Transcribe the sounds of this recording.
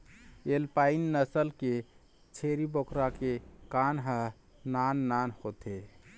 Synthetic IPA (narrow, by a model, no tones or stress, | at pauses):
elpainːəsəlke | t͡ʃʰeɾibokɾakekanɦə | nanːanhot̪ʰe